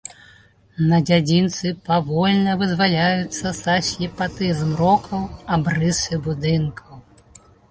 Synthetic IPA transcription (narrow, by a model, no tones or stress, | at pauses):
nɐd͡zʲad͡zʲint̪sɨpaʋɔlʲnɐvɨzʋalʲajʊt̪sːɐsɐsʲjipat̪ɪzmɾɔkʰɐwɐbrɪsɪbud̪ɪnkʰɐw